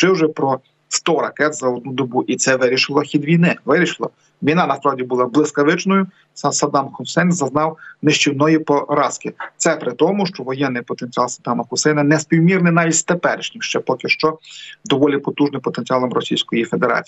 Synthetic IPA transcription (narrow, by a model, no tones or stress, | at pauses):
t͡ʃɪwʒɛpɾɔ | st̪ɔɾɐkɛt̪zɐɔd̪̚nud̪ɔbuʔit̪sɛʋɪɾʲiʃɪlˠɔxʲid̪ʋʲijnɪʋɪɾʲiʃɪlˠɔ̰ | ʋʲinɑnɐspɾɑwdʲibʊlˠɑblˠɪskɐʋɪt͡ʃnɔjʊ | sɐd̪ɑmxʊsɛjnzɐznɑwneʃt͡ʃʲiwnɔjipɔɾɑskɪt̪sɛpɾɪt̪ɔmʊʃt͡ʃɔʋɔjɛnːɪjpɔt̪enʲt͡sʲiɑlˠsɐd̪ɑmɐxʊsɛjnɐnɛsʲpʲiwmʲirnɪnɑʋʲitʲt̪epɛ̰ɾɪʃnʲimʃt͡ʃɛpɔkʲɪʃt͡ʃɔd̪ɔʋɔlʲipɔt̪uʒnɪmpɔt̪enʲt͡sʲiɑlˠɐmɾɔsʲijsʲkɔjifed̪eɾɑ̰t͡sʲ